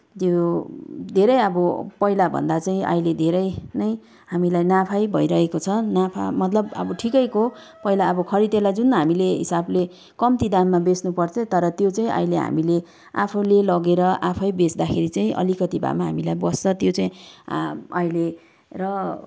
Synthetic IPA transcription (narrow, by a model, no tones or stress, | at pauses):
t̪jo | d̪ʱeɾʌjʌbʌpʌilabʱʌ̰nd̪at͡saĩʌ̰iled̪ʱeɾʌjnʌj | ɦamilajnapʰajbʱʌjɾʌɦekot͡sʰʌnapʰa̰mʌt̪lʌbʌ̰bʌʈʰikʌjko | pʌilaʌbʌkʰʌɾid̪elad͡zunɦamileɦḭsable | kʌmt̪id̪amːabesnupʌrt͡sʰʌt̪ʌɾʌt̪jot͡saĩʔa̰jleɦa̰mile | apʰulelʌɡeɾʌʔapʰʌjbesd̪akʰeɾit͡saĩʔʌ̰likʌt̪ibʱa̰maɦa̰milajbʌst͡sʰʌt̪jot͡saĩ | ʌile | rʌ